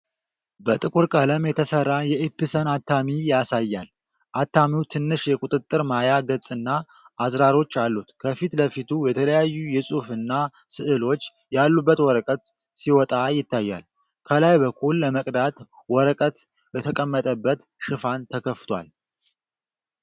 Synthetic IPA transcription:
bət̪ʼɨkʼuɾkʼələmjɛt̪ʰəsərːajɛʔɨpːɨsənat̪ʰːamijasajːal | ʔat̪ʰːamiwt̪ʰɨnːɨʃjɛkʼut̪ʼɨt̪ʼːɨɾmajaɡət͡sʼɨnːa | ʔazɾaɾo̞t͡ʃːalːut̪kʰəfit̪ləfit̪ʰujɛt̪ʰələjajːujɛsʼufɨnːa | sɨʔɨlo̞t͡ʃː | jalːubːət̪wɔɾəkʼət̪ | siwɔt̪ʼajɪt̪ːajːa̰l | kʰəlajbəkʰːulːəməkʼd̪at̪ | wɔɾəkʼət̪ | bət̪ʰəkʼəmːət̪ʼəbːət̪ | ʃɨfant̪ʰəkʰəft̪ʰwa̰l

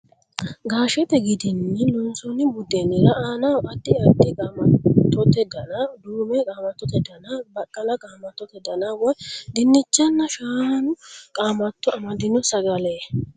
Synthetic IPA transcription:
ɡaːʃɛt̪ɛɡɪd̪ɪnːɛlɔnsɔnɪbʊd̪ɛnɪɾɐʔaːnɐwɐt̪ːɪɐt̪ːɪkʼaːmɐt̪ːɔt̪ɛd̪ɐnɐd̪uːmɛkʼaːmɐt̪ːɔt̪ɛd̪ɐnɐbɐkʼːɐlɐkʼaːmɐt̪ːɔt̪ɛd̪ɐnɐwɔjd̪ɪnːɪt͡ʃːɐnːɐʃaːnʊkʼaːmɐt̪ːɔɐmɐd̪ɪnɔsɐɡɐleː

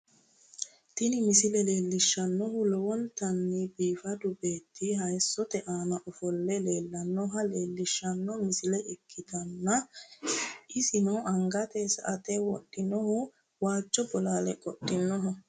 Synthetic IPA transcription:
t̪ɪnɪmɪsɪlɛle̞ːlːɪʃːɐnːɔhʊlɔwɔnt̪ɐnːɪbiːfɐd̪ʊbe̞ːt̪ʰːɪɦɐjsːɔt̪ɛʔaːnɐʔɔfɔlːɛle̞ːlːɐnːɔɦɐle̞ːlːɪʃːɐnːɔmɪsɪlɛʔɪkʰːɪt̪ɐnːɐ | ʔɪsɪnɔʔɐŋɡɐt̪esɐ̰ʔɐt̪ɛwɔɗːɪnɔhʊ | waːt͡ʃːɔbɔlaːlɛkʼɔɗːɪnːɔɦɔ

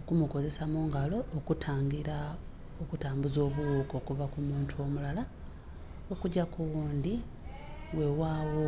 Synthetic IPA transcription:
okumuko̞ze̞samuːŋɡalo̞ːkutʰaːŋɡiɾa | o̞kutaːmbuzo̞ːβuwuko̞kuvakumuːntʰuo̞mulala | o̞kuɟakuwuːnd̪i | we̞waːwo

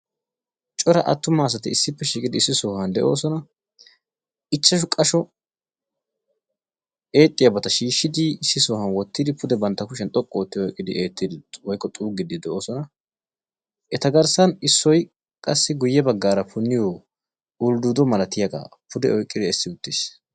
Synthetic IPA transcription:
t͡ʃʼɔɾɐʔɐ̰t̪ːʊmaːs̬ɐt̪ɪɪsːɪpːɛʃiːkʼɪd̪ɪɪsːɪsoːhɐnd̪ɛʔo̞̰ːsɔnɐ | ɪt͡ʃːɐʃ̬ʊkʼɐʃɔ | e̞ːt̪ʼːɪjɐbɐt̪ɐʃiːʃːɪd̪ɪɪsːɪsoːhɐnwɔt̪ːɪd̪ɪpʊd̪ɛbɐnt̪ːɐkʊʃ̬ɛnt̪ʼɔkʼːoːt̪ːɪjɔkʼːɪd̪ɪʔeːt̪ːɪd̪ɪwɔjkːɔt̪ʼuːɡɪd̪ɪd̪ɛʔo̞ːsɔnɐ | ʔɛt̪ɐɡɐɾsɐnɪsːɔj | kʼɐsːɪɡʊjːɛbɐɡːaːɾɐpʰʊnːɪjo | ʊld̪ud̪ɔmɐlɐt̪ɪjɐɡa̰ːpʰʊd̪ɛɔjkʼːɪd̪ɪɛsːɪʊt̪ːɪːs

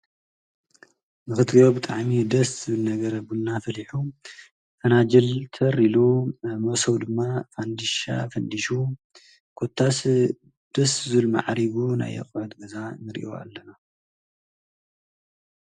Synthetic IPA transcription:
nɨxɨt̪ɡiobɨt̪ʼaʕmid̪ɐszɨɨlnɐɡɐɾɐbulnafɐliħu | fɐnad͡ʒɐlt̪ʰɐɾilumosɐwd̪ɨmːafand̪iʃa̰fɐnd̪iʃu | kʰot̪ʰːas | d̪̥ɐsɨzɨlma̰ʕɾiβuna̰jɐ̰kʼʕut̪ɡɐzanɨɾiʔo̞a̰lːɐna

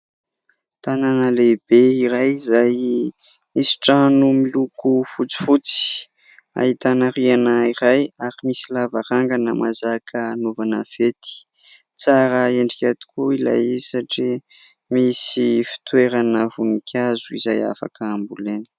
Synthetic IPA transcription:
t̪ananəlebeiɾajizaj | misi̥ʈ͡ʂanumilukufut͡si̥fut͡si̥ | a̰ɦit̪anəɾianaiɾajaɾimisilavaɾaŋɡanəmazakʰənovanəfet̪i̥ | t͡saɾəeɳɖ͡ʐikʲat̪i̥kuila̰jisaʈ͡ʂi | misifi̥t̪weɾanəvunikʲʰazuḭzaja̰fa̰kəːmbuleni̥

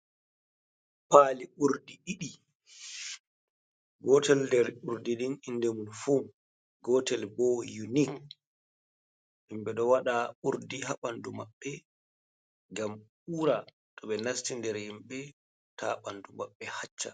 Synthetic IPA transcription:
paːliʔuɾdiɗiɗi | ɡɔtɛldɛɾuɾdininʔindɛmunfum | ɡɔːtɛlbɔjunik | himɓɛɗɔwaɗauɾdiɦaɓandumaɓːɛ | ɡam | uːɾa | tɔɓɛnastindɛɾhimɓɛ | taɓandumaɓːɛhat͡ʃːa

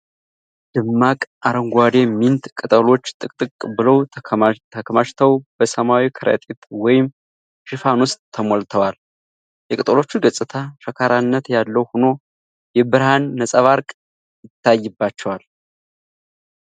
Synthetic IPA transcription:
d̪̥ɨmːakʼaɾəŋɡʷad̪e̞mːint̪kʼɨt̪ʼəlo̞t͡ʃːt̪ʼɨkʼt̪ʼɨkʼbɨləw̪ʰt̪ʰəkʰəmaʃt̪ʰəwb̥əsəmawikʰɨɾə̰t̪ʼet̪wɔjɪm | ʃɨfanwʊst̪ʼʰːəmolt̪ʰəwal | jɛkʼɨt̪ʼəlo̞t͡ʃːɪnɡəsʼɨt̪ʰaʃəkʰaɾanːət̪jalːəwhuno̞ | jɛbɨɾhanːəsʼəβaɾkʼ | jɪt̪ʰːajːɨbːat͡ʃːɛwal

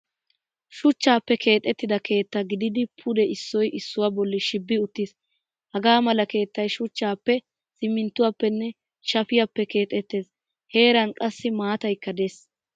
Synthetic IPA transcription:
ʃʊt͡ʃːaːpːɛkʰe̞ːt̪ʼːɛt̪ːɪd̪ɐkʰe̞ːt̪ːɐɡɪd̪ɪd̪ɪpʰʊd̪ɛʔɪsːɔjɪsːʊwabɔlːɪʃɪbːɪʊt̪ːis | hɐɡaːmɐlɐke̞ːt̪ːɐjʃʊt͡ʃːaːpːɛ | sɪmːɪnt̪ːʊwapːɛnːɛ | ʃɐfɪjapːɛke̞ːt̪ʼːɛt̪ːe̞ːs | he̞ːɾɐnkʼɐsːɪmaːt̪ɐjkːɐd̪ɛs

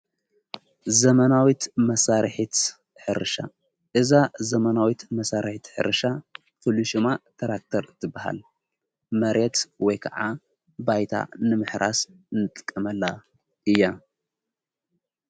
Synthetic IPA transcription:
zɐmɐnawit̪mɐsaɾħit̪ | ħɨɾɨʃa̰ | ʔɨzazɐmɐnawit̪mɐsaɾħit̪ħɨ̰ɾɨʃa | fɨluʃmat̪ʰɐɾak̚t̪ʰɐɾt̪ʰɨbːaha̰l | mɐɾet̪wɔjkʰɐʕa | bajt̪ʰa̰nɨmɨħɾʔa̰s | nɨt̪ʼɨ̥kʼːɐmɐlːa | ɨjːa

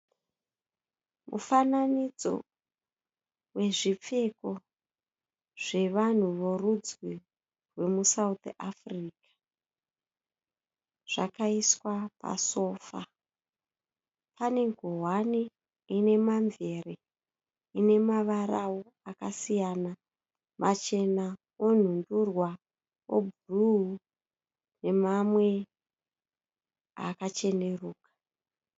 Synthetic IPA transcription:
mṵfananid͡zo̞̰ | we̞ʐip͡fe̞ko̞ | ʐ̥e̞ʋan̤uʋorud͡zwi | rwe̞musaut̪afriːkḁ | ʐ̥a̰kaiswapa̰so̞ːfa̰ | pane̞ŋɡʱoɦwani | ine̞maɱve̞re | ine̞maʋaɾawo | akasijana | mʔat͡ʃe̞na | on̤undurwa | o̰bʱuruu | ne̞mamwe̞ | a̰kat͡ʃe̞ne̞ruːkḁ

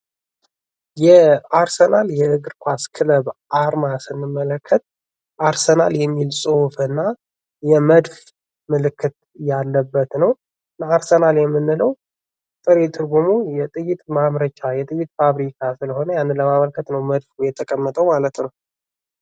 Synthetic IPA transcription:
jɛaɾsənaljɛʔɨɡɨɾkʷʰaskʰɨləβaɾmasɨnːɨmːələkʰːət̪̚ | ʔaɾsənaljɛmːilsʼofɨnːa | jɛməd̪f | mɨlɨkʰːɨt̪ | jalːəbːət̪nəw | naaɾsənaljɛmːɨnːɨləw | t̪ʼɨɾet̪ʰʼɨɾɡumujɛt̪ʼɨjɪt̪ʼmamɾət͡ʃajɛt̪ʼɨjit̪̚faβɾikʰasɨləho̞nəjanːɨnləmaməlkʰət̪nəwməd̪fujɛt̪ʰːəkʼəmːət̪ʼəwmalət̪nəw

